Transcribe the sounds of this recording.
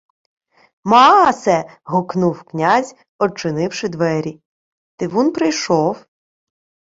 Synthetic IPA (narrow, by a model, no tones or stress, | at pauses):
mɑsɛɦɔknuwknʲazʲ | ɔt͡ʃɪnɪwʃɪd̪ʋɛɾʲi | t̪ɪʋunpɾɪjʃɔw